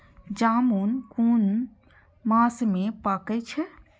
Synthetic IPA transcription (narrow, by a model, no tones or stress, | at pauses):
d͡ʒaːmunkuːn | maːsmẽpaːket͡ʃʰe